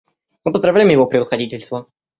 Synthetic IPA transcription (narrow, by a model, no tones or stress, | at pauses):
mɨpəzd̪ɾɐvlʲæjɪmjɪvopɾʲɪvəsxɐdʲitʲɪlʲst̪və